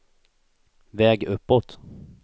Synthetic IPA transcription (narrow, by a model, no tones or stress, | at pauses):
vɛːɡɵpːɔt̪